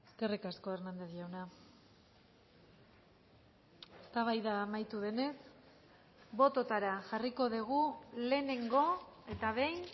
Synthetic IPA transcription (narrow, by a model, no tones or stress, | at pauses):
eske̞rikasko̞eɾnand̪e̞zʝawna | est̪aβ̞ajðaːmajt̪uð̞e̞ne̞s | bo̞t̪o̞t̪aɾaʝariko̞ðiɣ̞ule̞ne̞ŋɡo̞e̞t̪aβe̞jn